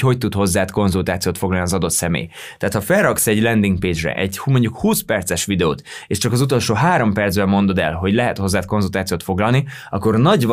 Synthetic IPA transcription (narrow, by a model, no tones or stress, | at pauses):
ho̞c̚t̪ut̪ho̞zːaːt̪ko̞nzult̪aːt̪sijoːt̪foɡlɒlniɒzɒd̪o̞t̪sɛmḛːj | t̪ɛaːt̪hɒfɛrrɒksɛɟlɛnd̪iŋɡ̚peːd͡ʒrɛ̰ʔɛ̰ɟmoɲɟukhuːspɛrt̪sɛʃʋid̪ɛo̰ːt̪eːʃt͡ʃɒkɒzut̪o̞lʃoːɦaːɾo̞mpɛrd̪zbɛmo̞nd̪o̞d̪ɛ̰lɦo̞ɟlɛɦɛt̪ho̞zːaːt̪ko̞nzult̪aːt̪sijoːt̪fo̞ɡlɒlni | ɒkːo̞rnɒɟv